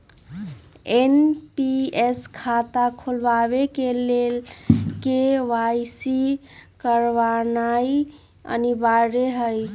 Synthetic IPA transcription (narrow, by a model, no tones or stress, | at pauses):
enpieskʰat̪akʰulbaβekelelkeʋajsikəɾʋanai | ə̰nibaɾeɦəj